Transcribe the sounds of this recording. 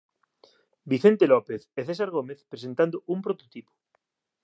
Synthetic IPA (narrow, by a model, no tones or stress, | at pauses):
biθent̪elɔpeθeθesaɾɣomeθpɾesent̪and̪oʔumpɾot̪ot̪ipo̥